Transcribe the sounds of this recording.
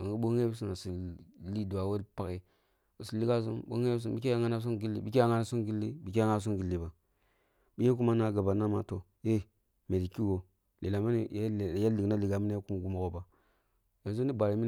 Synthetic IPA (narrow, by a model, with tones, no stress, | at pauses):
a˨ŋi˦ɓo˦ŋe˦bi˦s̬i˦na˨si˨li˦du˨a˨we˦pa˦ki˦ | u˨si˨li˦ɡa˦s̬ṵ˦mɓo̰˦ŋe˦bi˦s̬i˦nbi˦ke˦ja˦ŋa˦na˦s̬u˦nɡi˦lːḭ˨˦bi˦ki˦a˦ŋa˦na˦su˦nɡi˦lːi˦bi˨ki˦a˦ŋa˦˨s̬u˦nɡi˨lːi˨ba˨ | bi˦je˦k̬u˦ma˦na˦ɡa˨ba˨na˦ma˦to˨ | je˦ | me˨di˨ki˦wo˨ | li˨la˨ma˦ni˦˨˦ja˦li˨na˦li˨ɡa˨mi˦na˦ja˦ku˦m˨ɡu˨ma˨ɡo˨ba˨ | ja˨ns̬o˦ni˦ba˨ɾi˨˦mi˦